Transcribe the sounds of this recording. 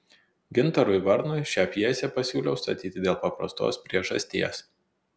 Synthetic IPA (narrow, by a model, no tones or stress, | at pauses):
ɡʲɪnˑt̪ɐɾʊɪʋɐɾnʊɪʃʲæːpʲjiɛsʲɛpɐsʲuːlʲɛʊst̪ɐ̰t̪ʲiːt̪ʲɪd̪ʲeːlˠpɐpɾɐ̰st̪o̰ːspʲɾʲiɛʒɐ̰sʲt̪ʲiɛs